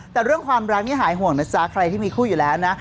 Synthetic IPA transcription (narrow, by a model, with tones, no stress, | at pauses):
t̪ɛː˨˩ɾɯ˥˩əŋkʰwaː˧mɾa˦˥k̚ni˥˩ɦaː˩˦jɦu˨˩əŋna˨˦˥saː˦˥kʰɾa˧jt̪iː˥˩miː˧kʰuː˥˩juː˨˩lɛː˦˥wna˦˥